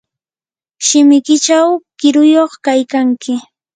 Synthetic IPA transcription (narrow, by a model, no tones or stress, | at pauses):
ʃɪmɪkɪt͡ʃawkɪɾʊjoχkajkaŋkɪ